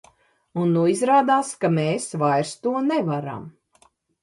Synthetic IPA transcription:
unːuizɾaːd̪aːskameːsvajɾst̪uɔnɛvaɾa̰m

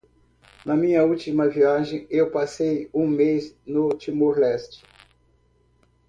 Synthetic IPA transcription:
nɐmĩɲɐut͡ʃimɐviaʒẽj̃ewpasejũmejznʊt͡ʃimoɾlɛst͡ʃɪ̥

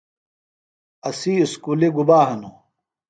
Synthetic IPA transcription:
ɐsiːskuːliɡubaːɦɐnu

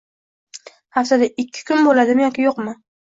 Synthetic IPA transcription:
hafsad̪aɪkʲʰːɪ̥kʰʊnbolad̪ɪmjɒkʲɪjoqmɪ

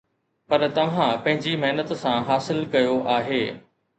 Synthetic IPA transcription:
pɐɾt̪ɐʋ̤ãpɐ̃ɦɪ̃ɲd͡ʑimɐɦnət̪sãɦaːsɪlkɐjoʔaːɦeː

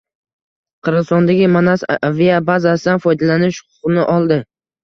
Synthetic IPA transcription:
qʰɨɾʁɨzt̪ɒnd̪aɡʲɪmanasvijabazasɪd̪anfɒjd̪alanɪʃχʊʊ̥qnɪʔɒlˠd̪ɪ

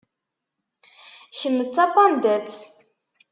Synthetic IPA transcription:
çənːət͡sːɑpɑnd̪æt͡s

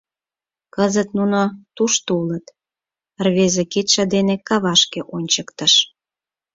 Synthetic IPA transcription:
kəzət̪nunot̪uʃt̪ulət̪ | rβezeket̪ʃɑd̪enekɑβɑʃkeʔonʲt͡ɕəkt̪əʃ

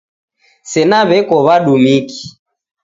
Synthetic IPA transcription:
sɛnaβɛkɔβaɗumiki̥

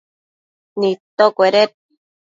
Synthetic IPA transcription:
nit̪okʷeɾet̪̚

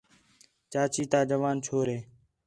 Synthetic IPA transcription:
t͡ʃaːt͡ʃiːt̪aːd͡ʒəʋaːnt͡ʃʰoːɾeː

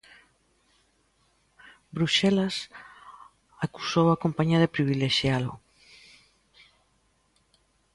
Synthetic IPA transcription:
bɾuʃɛlas | aku̥sowakompaɲaðepɾiβileʃjalʊ̰

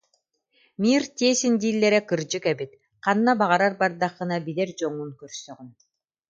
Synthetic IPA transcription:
miːɾt̪iːsind̪iːlʲːɛɾɛkɯɾd͡ʑɯkɛbit̪̚ | qanːabaʁaɾaɾbaɾd̪aχɯ̆nabilɛɾd͡ʑɔŋunkœɾsœʁyn

